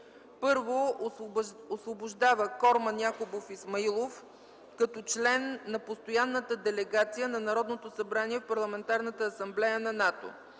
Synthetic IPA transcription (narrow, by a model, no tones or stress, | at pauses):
pɤɾvo | osvobʊʒd̪avəkɔɾmənʲjakobofismɐilˠof | kɐt̪ɔt͡ʃlɛnːɐpost̪ojanːət̪əd̪ɛlɛɡat̪sijənɐnɐɾɔd̪not̪osɐbɾaniɛfpɐɾlˠɐmɛnt̪aɾnət̪əːsɐmblɛjənɐnat̪o̰